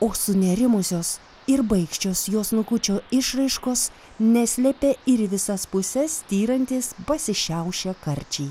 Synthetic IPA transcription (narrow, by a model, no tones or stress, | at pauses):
oːsʊnʲɛɾʲɪmʊsʲoːs | ɪɾbɐɪkʃʲt͡ʃʲoːsjoːsnʊkʊt͡ʃʲoːɪʃɾɐɪʃkoːs | nʲɛsʲlʲɛpʲeːɪɾʋʲɪsɐspʊsʲɛst̪ʲiːɾɐnʲt̪ʲiːspɐsʲɪʃʲæʊʃʲɛkɐɾʲt͡ʃʲɛː